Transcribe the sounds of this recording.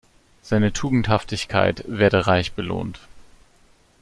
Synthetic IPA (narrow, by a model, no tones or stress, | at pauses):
z̥aɪnətʰuːɡŋ̩thaftɪçkʰa̰ɪtv̥eːɐdəʁaɪçb̥əlo̰ːnt